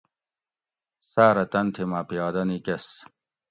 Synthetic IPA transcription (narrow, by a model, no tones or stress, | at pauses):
saːɾɐt̪ɐnt̪ʰimaːpijɑːd̪ɐnikes